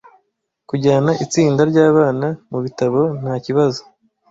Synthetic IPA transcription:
kuɟaːnaʔit͡siːndaɾɟaːβaːnamuβitaβo̞n̥haːciβazo

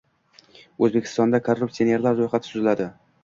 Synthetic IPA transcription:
ɵzbekʲʰɪ̥st̪ɒnd̪akʰorːupsione̞ɾlaɾɾojχat̪ʰɪ̥t̪ʰʊzɪlad̪ɪ

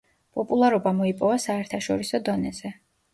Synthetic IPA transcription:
pʼɔpʼulˠaɾɔbamɔipʼɔvasaɛɾt̪ʰaʃɔɾisɔd̪ɔnɛz̥ɛ

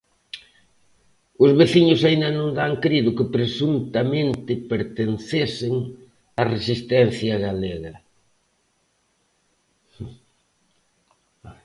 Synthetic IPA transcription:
ʊzβeθiɲʊsaind̪ɐnõŋd̪aŋkɾiðʊkɪpɾesunt̪ɐmẽnt̪ɪpeɾt̪enθesɪŋ | ɐresist̪ɛn̟θjɐɣaleɣɐ

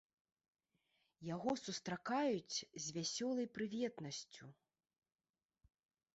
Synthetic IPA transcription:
jaɣɔsust̪ɾakajut͡sʲzʲvʲasʲɔlˠɐjpɾɨvʲɛt̪nɐsʲt͡sʲu

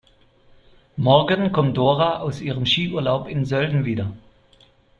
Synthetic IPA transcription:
mɔʁɡənkʰɔmd̥oːʁaʔaʊsʔiːʁəmʃiːʔuːɐlaʊpɪnzœldn̩viːdɐ

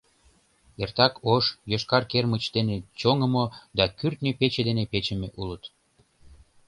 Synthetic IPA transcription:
ert̪ɑkoʃjøʃkɑrkermət͡ɕd̪enet͡ɕoŋəmod̪ɑkyrt̪nʲəpet͡ɕed̪enepet͡ɕəmeʔulət̪

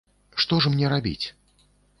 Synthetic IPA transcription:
ʂt̪ɔʐmnʲɛɾabʲḭt͡sʲ

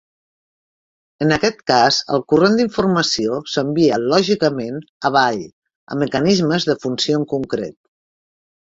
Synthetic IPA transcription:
ənəkɛt̪kazə̰lˠkurend̪iɱfurməsiosəmbiəlɔʒikəmenəβ̞aʎ | ə̰mːəkənizməzðəfunsioəŋkuŋkɾḛt̪̚

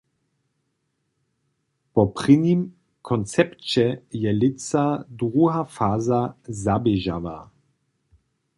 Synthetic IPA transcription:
pɔpʁɪnim | kʰɔnt͡sɛpt͡ʃɛjɛlɪt͡sadʁuɦafaːzazabɛʒa̰va̰

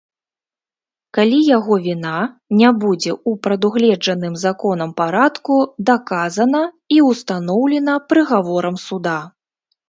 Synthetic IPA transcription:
kalʲijaɣɔvʲina | nʲabud͡zʲɛupɾɐd̪uɣlʲɛd͡ʐɐnɨmzakɔnɐmpaɾat̪kud̪akazɐnɐ | iwst̪an̪ɔwlʲɛnɐpɾɨɣavɔɾɐmsud̪a

